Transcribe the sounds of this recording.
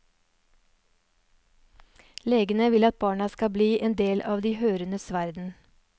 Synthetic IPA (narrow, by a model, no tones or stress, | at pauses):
leːɡənəʋɪlɑt̪̚bɑːɳɑskɑbliːʔeːnd̪eːlʔɑːʋd̪iːhøːɾənəsʋæɾd̪n̩